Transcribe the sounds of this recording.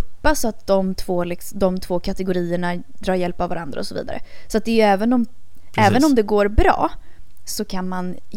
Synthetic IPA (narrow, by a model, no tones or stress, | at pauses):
ppːasat̪̚d̪ɔmt̪ʰv̥oːlɪksd̪ɔmt̪ʰv̥oːkʰat̪ɛɡʊɾiːəɳad̪ɾɑːɾjɛlpavːa̰ɾa̰nd̪ɾaɔsɔvḭːd̪a̰ɾə̰sɔat̪̚d̪ɛjɵɛːvənɔm | ɛːvənɔmd̪ɛɡoːɾbɾɑ̰ː | sɔkʰanman